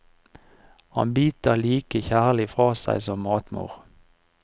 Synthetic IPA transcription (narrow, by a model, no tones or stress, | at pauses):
hɑ̰nbyːt̪əliːkəçæːʁlɪfʁɑːsæ̰ɪsɔmːɑːt̪mṵːʁ